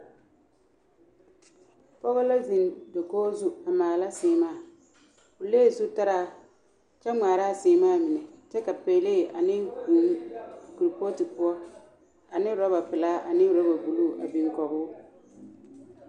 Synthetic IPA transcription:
pɔ˦ɣʊ˦la˦zi˨ndɔ˨kɔː˦zu˦a˨maː˨la˦sɪː˨˦maː˦˨ | ʊ˨leː˦˨su˦ta˦ɾaː˦˨ | t͡ʃɛ˦ŋaː˨ɾaː˦sɪː˨˦maː˦˨mɪ˨nɛ˨t͡ʃɛ˦ka˨pe˨˦leː˦˨ʔa˨nɪ˦ku˨˦ku˨ɾi˨po˦tɪ˨pʊ˦ɔ˦ | a˨nɪ˦ɾɔ˦ba˨pɪ˨laː˦ʔa˨nɪ˦ɾɔ˦ba˨bu˨luː˦˨ʔa̰˨bi˨ŋkɔ˨ɣʊː˦

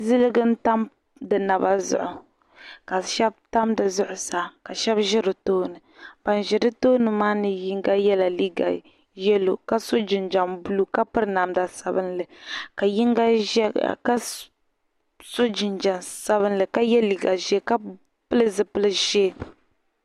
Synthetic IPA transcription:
zɨ˦lɨ˦ɡɨ˦n̩˦ta˦m | dɨ˨na˨ba˦zʊ̰˦ʔʊ˨ | ka˨ʃɛ˦b̚ta˦mdɨ˨zʊ˦ʔʊ˨sa˨ka˨ʃɛ˦bʒɪ˦ɾɨ˨toː˦nɨ˨b̥a˨nʒɪ˨ɾɨ˦toː˦nɨ˨maː˦nɨ˨ji˦ŋɡa˦jɛ˦la˨li˦ɡa̰˨ | jɛ˦lo˨ka˦so˦d͡ʒɪ˨nd͡ʒa˨mbu˦lu˦ka˦pɨ˦ɾɨ˦na˨mda˨sa˨bɨ˦nlɨ˨ka˨ji˦ŋɡa˦ka˦ | so˦d͡ʒɪ˨nd͡ʒa˨nsa˦βɨ˦nlɨ˨ka˦jɛ˦li˨ɡa˨ʒe˦ka˦ | pɨ˦lɨ˦zɨ˦pɨ˦lɨ˦ʒe˦˨

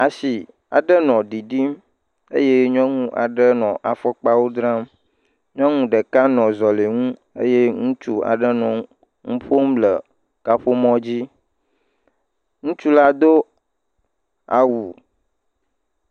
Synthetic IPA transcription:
a˨si˨ | a̰˨ɖə˦nɔ̃˨ɖi˨ɖi˦m | ḛ˦je˦ɲɔ̃˦ŋũ˦ʔa̰˨ɖə˦nɔ̃˨ʔa˨fɔ˦k͡pa˦wo˦d̪ɾã˦m | ɲɔ̃˦ŋũ˦ɖə˨ka˦nɔ̃˨zɔ˨le˨ŋũ˦ | ḛ˦je˦ŋũ˦t͡ʃu˦a̰˨ɖə˦nɔ̃˨ | ŋũ˦ɸo˦mlə˨ | ka˦ɸo˦mɔ̃˦d͡ʑi˦ | ŋũ˦t͡ʃu˦la˦d̪o˦ | a˨wu˨

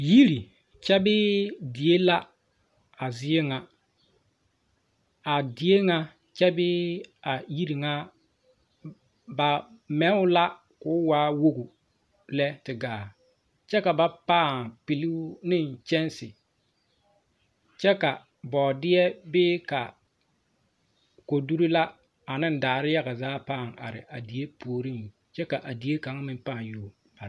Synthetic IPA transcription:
ji˦ɾi˨ | t͡ʃɛ˦bɪ˦dɪ˨e˦la˦ | a˨zɪ˦e˦ŋa˨ | a˨dɪ˨e˦ŋa˦ | t͡ʃɛ˦bɪ˦a˨ji˦ɾi˨ŋa˦ | ba˨mɛ˨˦ʊ˦la˦ | kʊ˦waː˦wo˦ɡu˨ | lɛ˦tɪ˨ɡaː˨ | t͡ʃɛ˦ka˨ba˨paː˦˨ŋpi˨li˦nɪ˦˨n˨t͡ʃɛ˦nsɪ˨ | t͡ʃɛ˦ka˨ | bɔː˨dɪ˦jɛ˦bɪː˦ka̰˨ | ko˨du˦ɾi˦la˦ | a˨nɪ˦n˦daː˨ɾɪ˦ja˦ɣa˨zaː˦paː˦˨ŋa̰˨ɾɪ̰˨ʔa̰˨di˨e˦pʰoː˨ɾi˦n˨ | t͡ʃɛ˦ka˨ʔa˨di˨˦e˦ka˨ŋ˦mɪ˦mpaː˦˨joː˦˨ | a˨

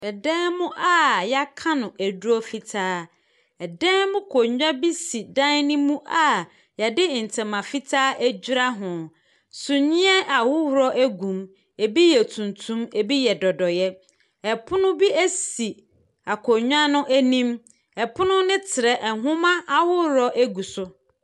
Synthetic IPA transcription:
ɛ˨dɛ̃ː˦mʊ̃˦ʔa˦ja˦kʰã˦nʊ̃˨ʔæ˨du˦ɔ˦fi˨tʰaː˦ | ɛ˨dɛ̃˦mʊ̃˦kʰo˨ɲᶣ˦ã˦bi˦si˨dã˦nɪ̃˦mũ˦ʔa˦˨ | ja˨dɪ˦˨n̩˨tʰɛ̃˨mã˨fi˦tʰaː˦ʔæ˦d͡ʑi˦ɾa˦ɦʊ̃˨ | sʊ˨ɲɪ̃˦ɛ˦ʔa˨wʊ˦wʊ˨ɾɔ˦ʔæ˦ɡũ˨m | e˨bi˦jɛ˨tʰũ˨ntʰũ˦me˨bi˦jɛ˨dɔ˨dɔ˨jɛ˦ | ɛ˨pʰʊ˦nʊ̃˦bi˦æ˦si˨ | a˨kʰo˨ɲᶣ˦ã˦nʊ̃˦ʔæ˦nĩ˦m | ɛ˨pʰʊ˦nʊ̃˦nɪ̃˦tʰɪ˨ɾɛ˨ʔɛ˨ɦʊ̃˦mã˦ʔa˨hʊ˦hɾɔ˦ʔæ˦ɡu˨sʊ˦

